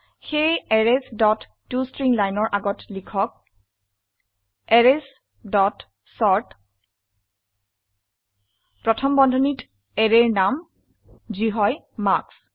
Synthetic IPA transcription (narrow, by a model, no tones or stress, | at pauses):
xejɛɹesdɔtːustɹiŋlajnɔɹʔaɡɔtlikʰɔk̚ | ɛɹes | dɔt | sɔɹt | pɹɔtʰɔmbɔndʱɔnit | ɛɹeɹnam | ziɦɔj | maɹks